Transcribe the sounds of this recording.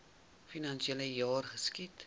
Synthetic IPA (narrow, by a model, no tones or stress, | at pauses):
finɐnʃiɛləjɑːrχəskit